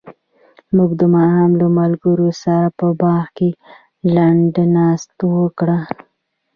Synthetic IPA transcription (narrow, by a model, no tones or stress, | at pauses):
muɡd̪əmɑhamlamalɡəɾosaɾapəbɑɣke | laɳɖnɑst̪owəkɽa